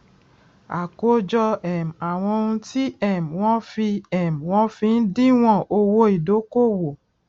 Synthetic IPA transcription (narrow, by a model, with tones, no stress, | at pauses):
a˨ko˦d͡ʒɔ˧ɛ˨m˨a˨w̃ɔ̃˧ũ˧ti˦ɛ˦˨m˨w̃ɔ̃˦fi˧ɛ˨m˨w̃ɔ̃˦fĩ˧n̩˦dĩ˦w̃ɔ̃˦˨ʔo˧wo˧i˨do˨˦ko˦˨wo˨